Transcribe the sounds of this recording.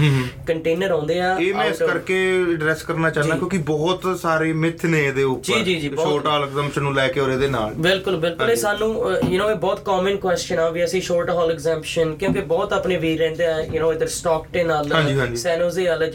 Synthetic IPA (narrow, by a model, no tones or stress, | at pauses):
ɦkəɳʈeːnəɾãːnd̪eːaːeːmɛ̃skəɾkeːəɖɾɛːskəɾnaːt͡ʃaːd̪aːkjõːkibɔːt̪saːɾeːmɪt̪ʰːnẽːd̪eːʊpd͡ʒəiːd͡ʒiːd͡ʒiːbʃoːɾʈɔːlɛkzɛ̃ːmpʃənːũːlɛːkeːoːɾeːd̪eːna̰ːlbɪlkʊlbɪlkʊ̃leːsaːnːũːjənoːeːbɔːt̪kɔːmənkwɛːst͡ʃənaːʋiːəsĩːʃoːɾʈɦɔːlɛkzɛ̃ːmpʃənkjõːkebɔːt̪aːpneːʋiːɾːɛ̃ːnd̪eːɛːjənoːɪd̪əɾsʈɔːkʈeːnaːlãːd͡ʒiːɦãːd͡ʒsɛːnoːzeːald͡ʒ